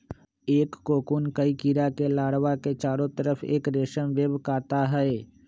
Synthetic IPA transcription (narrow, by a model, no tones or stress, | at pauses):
eːkːoːkuːnkəikiːɾakelaːɽʋaket͡ʃaːɾõt̪əɾəfʰḛːkɾeːʃəmʋeːbkaːt̪aɦɛe